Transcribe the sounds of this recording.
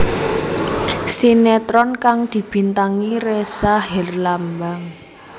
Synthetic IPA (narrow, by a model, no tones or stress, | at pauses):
sinɛt̪ɾɔnkaŋd̪̥i̤b̥i̤nt̪aŋiresaɦɛrlambaŋ